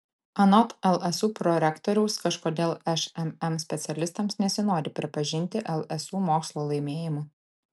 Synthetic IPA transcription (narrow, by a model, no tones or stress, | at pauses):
ɐnɔt̪ɛlˠɛsuːpɾɔɾʲɛkt̪ɔɾʲɛʊskɐʃkoːd̪ʲeːlˠɛʃɛmɛmsʲpʲɛt̪sʲɛlʲɪst̪ɐmsnʲɛsʲɪnoːɾʲɪpʲɾʲɪpɐʒʲɪnʲt̪ʲɪʔɛlˠɛsuːmoːkslˠoːlˠɐɪmʲeːjɪmʊ